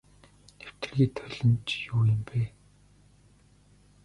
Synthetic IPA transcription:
t̪ew̥t̪ɘ̆rɣiːt̪ʰœɮɪ̆nt͡ɕjuːjɪ̆mpeː

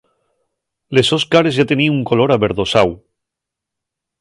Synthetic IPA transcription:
lesoskaɾezʝat̪eniuŋkoloɾaβeɾðosaw

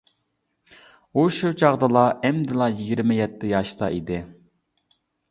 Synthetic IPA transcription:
uʃut͡ʃʰɑʁd̪ɨlˠɑʔɛmd̪ɪlˠɑjiɡʲiɾmɪjɛt̪ʰːɪjɑʃt̪ɑ̰ʔid̪ɪ

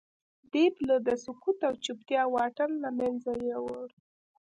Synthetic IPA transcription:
d̪̥epləd̪əsʊkut̪awt͡ʃupt̪jɑwɑʈanlamanzajawəɽ

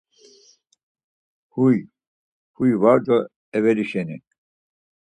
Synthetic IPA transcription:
huj | hujvaɾd̪ɔ | ɛvɛliʃɛni

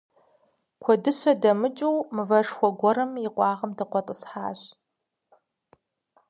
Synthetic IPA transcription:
kʷʰɔdɨɕʷɐdɐmɨt͡ʃʼɨwmɨvɐʂxʷɔɡʷɔɾɐmjɪqʷʼɑːʁɐmdɐqʷɔtʼəsħa̰ːɕ

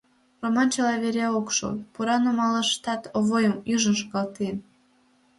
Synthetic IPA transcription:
romɑnt͡ɕəlɑβeɾʲæokʃo̰puɾɑnumɑləʃt̪ɑt̪oβojəmjyʒənʃ̬oɣɑlt̪en

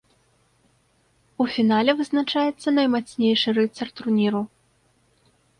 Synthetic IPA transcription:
ufʲinalʲɛvɨznat͡ʂajɛt̪sːɐnɐjmat̪sʲnʲejʂɨɾɨt̪sɐrt̪unʲiɾu

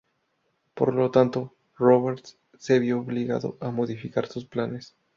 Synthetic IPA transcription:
po̞̰ɾlo̞t̪ant̪o̞ | roβeɾt̪ | seβjooβliɣa̰ðo̞̰ʔamo̞ðifikaɾsusplane̞s

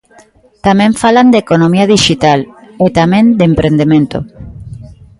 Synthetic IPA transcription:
t̪amẽɱfaland̪ekonomiaðiʃit̪alet̪amẽnd̪empɾend̪emẽnt̪o̰

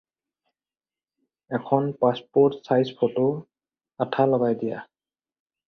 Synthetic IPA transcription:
ɛkʰɔnpaspɔɹtsajspʰoto | atʰalɔɡajdija̰

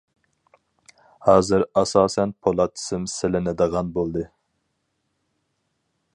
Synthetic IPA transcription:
hɑːzɨɾɑsɑːsɛnpʰolˠɑt̪ʰːɪ̥sɪmsɪlɪnɪd̪əʁɑnbolˠd̪ɨ

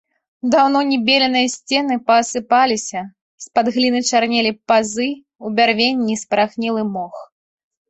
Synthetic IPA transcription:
d̪awn̪ɔnʲɛbʲelʲɛnɨjɐsʲt͡sʲɛn̪ɨpɐːsɨpalʲisʲɐ | spad̪ɣlʲinɨt͡ʂarnʲelʲipazɨ | ubʲarvʲenʲːispɾaxnʲɛlˠɨmɔx

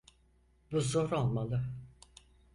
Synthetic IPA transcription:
buzoɾolˠmalˠɯ

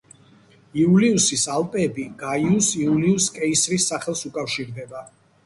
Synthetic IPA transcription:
iuliusisalˠpʼɛbiɡaiusiuliuskʼɛisɾisːaχɛlˠsukʼafʃiɾd̪ɛba

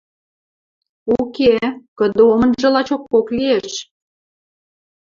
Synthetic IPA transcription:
ukekə̆d̪omə̆nʒə̆lɑt͡ɕokːoklieʃ

